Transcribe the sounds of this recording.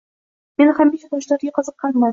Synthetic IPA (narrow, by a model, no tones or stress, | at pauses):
me̞nhamiʃat̪ʰɒʃlaɾɡʲaqʰɨzɨqʰːɑnma